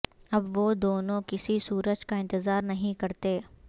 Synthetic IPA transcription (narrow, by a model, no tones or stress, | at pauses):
ɐbʋod̪oːnõkɪsisuːɾəd͡ʒkaɪ̃nt̪ɪzaːɾnɐɦĩkɐɾt̪eː